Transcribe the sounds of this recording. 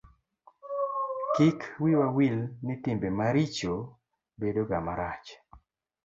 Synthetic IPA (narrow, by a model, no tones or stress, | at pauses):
kikwiwawilnɪtɪmbemaɾit͡ʃo | bedoɡamaɾat͡ʃ